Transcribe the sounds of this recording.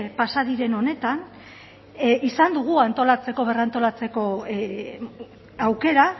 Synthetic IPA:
pasaðiɾe̞no̞ne̞t̪an | isand̪uɣ̞uant̪o̞lat͡se̞ko̞β̞e̞rant̪o̞lat͡seko̞ | awke̞ɾa

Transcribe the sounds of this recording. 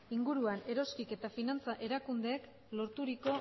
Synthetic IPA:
iŋɡuɾuane̞ɾo̞skike̞t̪afinant͡saʔe̞ɾakund̪e̞ːk | lo̞ɾt̪uɾiko̞

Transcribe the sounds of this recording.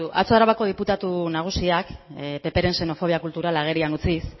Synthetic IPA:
uʔa̰t͡soaɾaβako̞ð̞iput̪at̪unaɣ̞usiakpe̞pe̞ɾe̞nse̞no̞fo̞β̞iakult̪uɾalaɣ̞e̞ɾianut͡sis

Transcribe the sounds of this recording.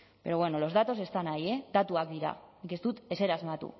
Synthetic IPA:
be̞ɾo̞βweno̞lo̞zðat̪o̞se̞st̪anaje̞ðat̪uak̚d̪iɾa̰nike̞st̪ut̪e̞se̞ɾazmat̪ṵ

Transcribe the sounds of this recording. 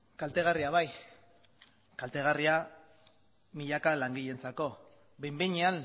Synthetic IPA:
kalt̪e̞ɣ̞ariaβaj | kalt̪e̞ɣ̞aria | miʎakalaŋɡiʎe̞nt͡sako̞ | be̞jmbeɲean

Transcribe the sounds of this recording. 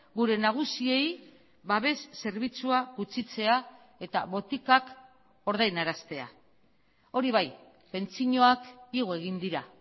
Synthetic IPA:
ɡuɾe̞naɣ̞usie̞j | βaβe̞sːe̞ɾβit͡suaɣut͡sit͡se̞a | e̞t̪a̰βo̞t̪ikak | o̞ɾð̞ajnaɾast̪e̞a̰ | o̞ɾiβ̞aj | pe̞nt͡siɲo̞akiɣ̞oe̞ɣind̪iɾa

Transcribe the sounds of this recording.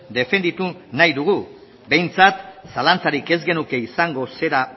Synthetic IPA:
d̪e̞fe̞nd̪it̪unajðuɣ̞u | be̞jnt͡sat̪salant͡saɾike̞zɡe̞nuke̞isaŋɡo̞se̞ɾa

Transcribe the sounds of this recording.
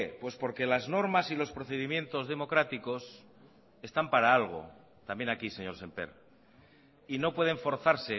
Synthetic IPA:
pwespo̞ɾke̞lazno̞ɾmasilo̞spɾo̞θe̞ðimjẽ̞nt̪o̞zðe̞mo̞kɾat̪iko̞s | e̞st̪ampaɾaalɣ̞o̞̰ | t̪ambje̞nakise̞ɲo̞ɾse̞mpe̞̰ɾ | ino̞pwe̞ðe̞ɱfo̞ɾθaɾse̞

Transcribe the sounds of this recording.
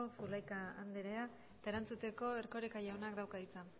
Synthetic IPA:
osulajkaand̪eɾea | et̪ae̞ɾant͡sut̪e̞ko̞e̞ɾko̞ɾekajaonakd̪awkaðit͡sa

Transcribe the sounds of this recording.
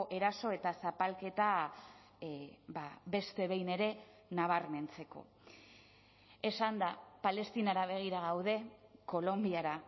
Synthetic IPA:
ʔe̞ɾaso̞e̞t̪asapalke̞t̪a | babe̞st̪e̞βe̞jne̞ɾe̞ | naβ̞aɾme̞nt͡se̞ko̞̰ | e̞sand̪apale̞st̪inaɾaβ̞e̞ɣ̞iɾaɣ̞awðe̞ko̞lo̞mbiaɾa

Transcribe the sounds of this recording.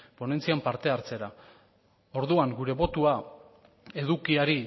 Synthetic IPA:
po̞ne̞nt͡siampaɾt̪e̞aɾt͡se̞ɾa | o̞ɾðuaŋɡuɾe̞βo̞t̪ua | e̞ðukiaɾi

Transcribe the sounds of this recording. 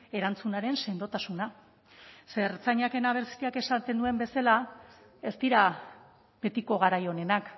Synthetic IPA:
e̞ɾant͡sunaɾe̞nse̞nd̪o̞t̪asuna | se̞ɾt͡saɲake̞naβ̞e̞ɾsi̥iake̞sat̪e̞nd̪ue̞mbe̞sala | e̞st̪iɾa | be̞t̪iko̞ɣ̞aɾajo̞ne̞nak

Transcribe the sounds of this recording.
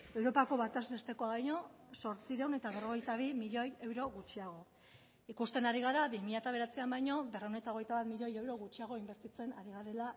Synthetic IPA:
e̞wɾo̞pako̞βat̪astest̪e̞ko̞aβajɲo̞so̞ɾt͡siɾe̞wne̞t̪aβe̞ro̞ɣ̞e̞jt̪aβ̞imiʎo̞je̞wɾo̞ɣut͡ʃiaɣ̞o̞ | ikust̪e̞naɾiɣ̞aɾaβimiʎat̪aβe̞ɾat͡siambajɲo̞be̞rewne̞t̪ao̞ɣ̞e̞jt̪aβat̪miʎo̞jewɾo̞ɣut͡ʃiaɣ̞o̞imbe̞ɾt̪it͡se̞naɾiɣ̞aɾe̞la

